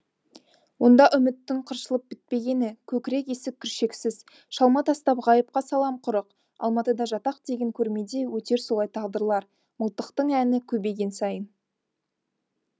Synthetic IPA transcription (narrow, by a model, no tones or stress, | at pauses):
wo̞nd̪ɑʔʏmɪt̪ːɪŋqʰəɾʃəlˠəp̚b̥ɪt̪̚pe̞ɡʲe̞nɪkʲʰɵkʲɪɾe̞ke̞sɪk̚kʲʰːʏɾʃe̞ksɪz | ʃɑlˠmɑt̪ɑst̪ɑpʁɑjəp̚qɑsɑlˠɑmqʰʊɾəq | ɑ̰lˠmɑt̪əd̪ɑʒɑt̪ɑq̚d̪e̞ɡʲe̞ŋkʲʰɵɾme̞d̪e̞wɵt̪e̞ɾsolˠɑjt̪ʰɑʁd̪əɾlˠɑɾ | məlˠt̪əqt̪əɴænɪkʲʰɵbe̞ɡʲe̞nsɑjən